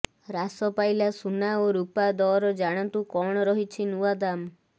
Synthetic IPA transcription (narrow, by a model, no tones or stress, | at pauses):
ɾasɔpajlasunaoɾupad̪ɔɾɔd͡ʒaɽ̃ant̪ukɔɽ̃ɔɾɔɦit͡ʃʰinuad̪am